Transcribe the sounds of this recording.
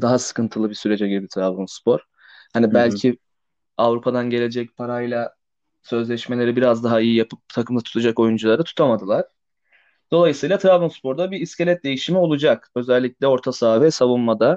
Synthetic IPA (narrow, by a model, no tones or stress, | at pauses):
d̪aɦasɯ̥kʰɯnt̪ʰɯlˠɯbisyɾe̞d͡ʒɛɟibibit̪ʰɾablˠunspʰo̞ɾ̥ | hanibælʲcʰi | avɾupʰad̪anɟe̞lʲe̞d͡ʒɛc̚pʰaɾajlˠa | sø̞zlʲɛʃme̞lʲe̞ɾibiɾazd̪aɦaijijapʰɯp̚t̪ʰakʰɯmd̪at̪ʰt̪ʰud͡ʒako̞jund͡ʒulˠaɾd̪at̪ʰu̥t̪ʰamad̪ɯlˠaɾ̥ | d̪̥o̞lˠajɯsɯjlˠat̪ʰɾavlˠunspo̞ɾd̪abiːsce̞lʲɛt̪̚d̪e̞jiʃimio̞lˠud͡ʒakø̞zɛlʲːic̚ʲlʲɛo̞ɾt̪ʰasaːvɛsavunmad̪a